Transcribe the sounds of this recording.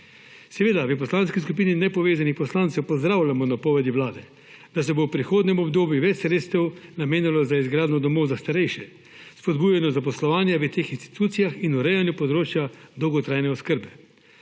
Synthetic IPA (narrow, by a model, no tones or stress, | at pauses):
sɛʋeːd̪aʋəpɔslaːnskiskupiːninɛpɔʋeːzanixpɔslaːnt̪sɛwpɔzd̪ɾaːwlʲamɔnapɔːʋɛd̪iʋlaːd̪ɛ | d̪̥as̬ɛbowpɾixoːd̪nʲɛmɔbd̪oːbjuʋɛt͡ʃsɾeːt̪st̪ɛwnameːnalɔzaizɡɾaːd̪nɔd̪ɔmowzast̪aɾɛjʃɛ | spɔd̪bujanɔzap̬ɔslɔʋaːnjaʋət̪eːxinst̪i̥t̪uːt̪sijaxinuɾɛjanjupɔd̪ɾoːt͡ʃjad̪ɔwɡɔt̪ɾajnɛɔskəɾbɛ